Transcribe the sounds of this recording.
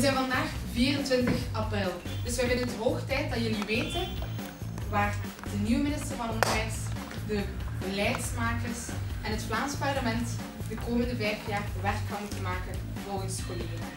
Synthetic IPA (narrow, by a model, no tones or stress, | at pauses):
ʋəzɛjnvɑndaːxviːrəntʋɪntəxʔɑprɪlˠd̥ɵsʋɛjʋɪləntəɦoːxtɛjt̚dɑtjəliʋeːtən | ʋaːr | dənywəmɪnɪstərvɑnɔnɛjs | dəbəlɛjtsmaːkərsʔɛnɦətflaːnspɑrləmɛnt | dəkoːməndəvɛjfjaːrʋɛrkɦɑwmutənmaːkən | voːənskolɪɡən